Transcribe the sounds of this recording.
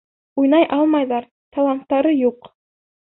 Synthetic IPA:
ujnɑjʔɑlˠmɑjðɑɾ | t̪ɑlˠɑnt̪ːɑɾɤjuq

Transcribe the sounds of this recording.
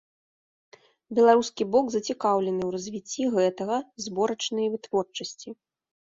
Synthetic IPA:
bʲɛlˠaɾuskʲibɔɡzɐt͡sʲikawlʲɛnɨwrɐzʲvʲit͡sʲːiɣɛt̪ɐɣɐzbɔɾɐt͡ʂnɨjvɨt̪vɔrt͡ʂɐsʲt͡sʲi

